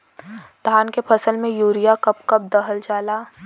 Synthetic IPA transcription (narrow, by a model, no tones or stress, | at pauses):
d̪ʱaːnkepʰɐsəlmẽjuːɾijakɐpkɐp̚d̪ɐɦəld͡ʒaːlaː